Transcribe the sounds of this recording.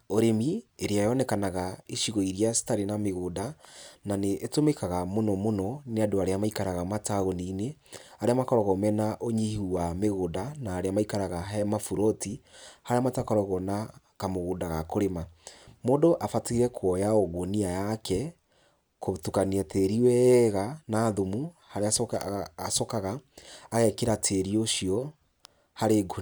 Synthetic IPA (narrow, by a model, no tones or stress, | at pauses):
oɾemieɾeajɔnɛkanaɣaeʃiɣoiɾiasi̥taɾenameɣodananeʔːtomekaɣamonɔmonɔneadoaɾeamaikaɾaɣamataɣonineaɾeamakɔɾɔɣomɛnaʔoɲihuwameɣodanaːɾeamaikaɾaɣaɦɛmafuɾɔtihaɾeamatakɔɾɔɣɔna | kamoɣodaɣakoɾemamodɔʔafateiɾɛkʰwɔjaoɣoniajakɛ | kotukaniateɾiwɛɣanaːðomuhaɾeaː | sɔkaɣaːɣɛkeɾatʰeɾioʃiɔ | haɾeɡo